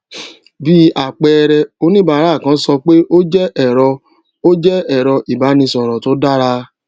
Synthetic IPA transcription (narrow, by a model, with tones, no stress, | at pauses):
bi˦a˨k͡pɛ˨˧ɾɛ˧o˧˦nĩ˦ba˧˦ɾa˦˨kã˨˦sɔ˧k͡pe˦ʔo˦d͡ʒɛ˦ɛ˦˨ɾɔ˧ | o˦d͡ʒɛ˦ɛ˦˨ɾɔ˧ʔi˨ba˨˦nĩ˧sɔ˨ɾɔ˨to˨˦da˦ɾa˧